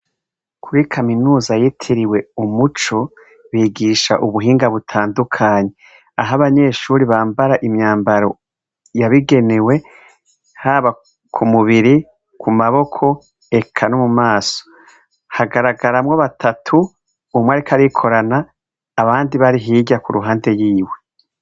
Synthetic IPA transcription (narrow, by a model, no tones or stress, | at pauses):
kʰuɾikʰaminuːzajitʰiɾiwe̞umut͡ʃo̞ | βiːɡiʃa̰ʔuβuɦiːŋɡaβutʰaːndukʰaːɲe̞ | aɦaβaɲe̞ːʃuːɾiβaːmbaɾaʔimɲaːmbaɾo̞ | jaβiɡe̞newe̞ | haːβa | kʰumuβiɾi | kʰumaβo̞kʰo̞ | e̞kʰanomumaːso̥ | haɡaɾaɡaɾamŋoβatʰatʰuː | mwaɾikʰaɾikʰo̞ɾanaː | βaːndiβaɾiɦiːɟakuɾuɦaːnde̞jiːwe̞